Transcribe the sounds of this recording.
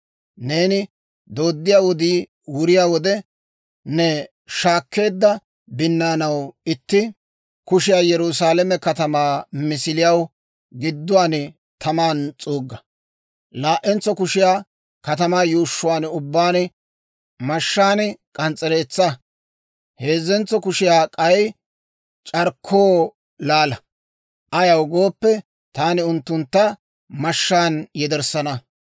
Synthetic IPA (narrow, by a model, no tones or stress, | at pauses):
ne̞ːnɪ | d̪o̞ːd̪ːɪjaːwɔd̪iː | wʊɾɪjaːwɔd̪ɛ | nɛ | ʃaːkːe̞ːd̪ːɐ | bɪnːaːnɐwɪt̪ːɪ | kʊʃɪjaːjɛɾʊs̬aːlɛmɛkɐt̪ɐmaːmɪsɪlɪjɐw | ɡɪd̪ːʊwaːnɛ | t̪ʰɐmaːnt͡sʼuːɡːɐ | laːʔːɛnt͡sːɔkʊʃɪjaː | kɐt̪ɐmaːjuːʃːʊwaːnʊbːaːnɛ | mɐʃːaːnɛkʼɐnt͡sʼɛɾeːt͡sːɐ | he̞ːzːɛnt͡sːɔkʊʃɪjaːkʼɐj | t͡ʃʼɐɾkʰːoː | laːlɐ | ʔɐjɐwɡo̞ːpːɛ | t̪aːnɪʊnt̪ːʊnt̪ːɐ | mɐʃːaːnjɛd̪ɛɾsɐnɐ